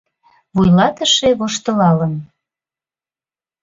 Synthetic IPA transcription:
βujlɑt̪əʃeβoʃt̪əlɑlən

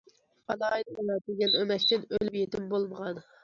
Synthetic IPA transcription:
ɑlɑːjid̪ɨlɑt̪ɪɡʲɛnømɛʃt̪ɪnølypjet̪ɪmbolˠməʁɑn

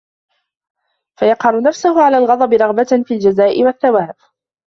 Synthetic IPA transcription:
fajɑqhɑɾˤnafsʊhʊʕalaːlɣɑd̪ˤɑbɪɾˤɑɣbafiːld͡ʒazaːʔɪwaθːawaːf

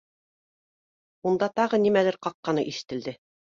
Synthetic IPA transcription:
und̪ɑt̪ɑʁɤnimælɘɾqɑqːɑnɤʔiʃɘ̥̆t̪ɘ̆ld̪ɘ

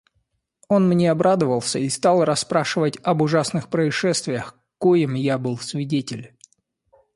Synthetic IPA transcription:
o̞nmnʲeɐbɾad̪əvəlˠsʲəist̪alˠrɐsːpɾaʂɨvətʲɐbʊʐasnɨxpɾəɪʂɛst̪vʲɪjəx | kojɪmjabɨlˠsvʲɪdʲetʲɪlʲ

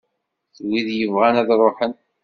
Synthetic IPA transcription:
θwiðjəvʁænæðɾˤoħən

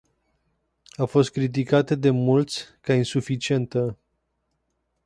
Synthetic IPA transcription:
afo̞st̪̚kɾit̪̬ikat̪əd̪e̞mult̪sʲkainsufit͡ʃie̞nt̪ə

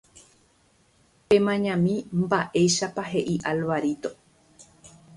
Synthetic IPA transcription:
pẽ̞mãɲãmĩmbaʔe̞jʃapaɦe̞ʔiʔalʋaɾit̪o̞

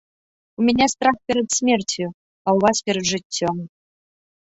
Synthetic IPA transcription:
umʲɛnʲast̪ɾaxpʲɛɾɐt̪sʲmʲert͡sʲju | awvaspʲɛɾɐd̪ʐɨtʲːɔm

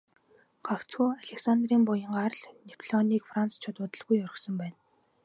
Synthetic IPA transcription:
ɢakt͡sxuːaɮeksand̪riːmpʊjə̆ŋɢarɮnipʰɮɔniːkfrant͡st͡ɕʰʊt̪ʊːt̪ə̆ɮɣujɔɾ̆xsɞ̆mpæːn

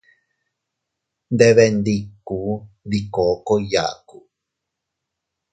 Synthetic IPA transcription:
nd̪eβend̪iku | dikokoija̰ku

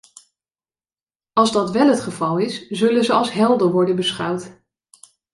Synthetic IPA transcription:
ɑlˠzdɑtʋɛlˠɦətχəvɑlˠɪszɵlənzəɑlˠsɦɛlˠdəɹʋɔɹdənbəsχɑwt

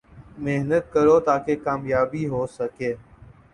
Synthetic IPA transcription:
meɦnət̪̚kəɾoːt̪aːkeːkaːmjaːbiːɦoːsəkeː

